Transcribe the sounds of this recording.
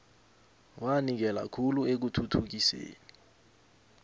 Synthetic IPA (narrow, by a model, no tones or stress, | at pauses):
wanik̬ɛla̰kʰuluek̬utʰutʰuk̬isḛːni